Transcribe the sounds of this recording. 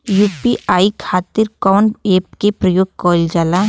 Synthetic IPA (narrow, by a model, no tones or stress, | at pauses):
juːpiʔaːikʰaːt̪ɪɾkɔːneːp̚kepɾɐjoːɡ̚kɔːld͡ʒaːla